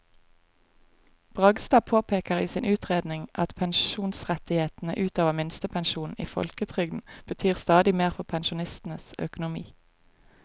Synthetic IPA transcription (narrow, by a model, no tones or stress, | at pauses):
b̥ʁɑɡst̪ɑːpʰoːpʰeːkəʁiːsiːnʔʉːt̪ʁeːd̪nɪŋʔɑt̪pʰɛnʃuːnsʁɛt̪ɪheːt̪n̩ə̰ʔʉːt̪oːʋəmɪnst̪əpʰɛnʃuːnn̩ḭːfɔ̰lkət̪ʰʁʏɡd̪n̩b̥ət̪ʰyːʁst̪ɑːd̪ɪmeːʁfɔpʰɛnʃʊnɪst̪n̩əsœ̰kʊnʊmḭː